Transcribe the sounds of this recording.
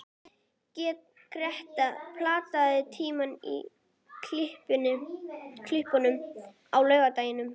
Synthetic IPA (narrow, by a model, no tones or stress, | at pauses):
cɛːt̪ | kʰɾɛht̪apʰlaːt̪aðɪt̪ʰiːmanḭ | kʰl̥ɪhpɪnʏkʰlɪhpanʏm | awlœːɥɣat̪aːjɪnʏm